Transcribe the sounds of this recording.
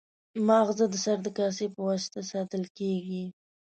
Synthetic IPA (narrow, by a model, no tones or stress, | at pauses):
mɑɣzad̪əsaɾd̪əkɑsepəwɑsɪ̥t̪asɑt̪əlkeɡi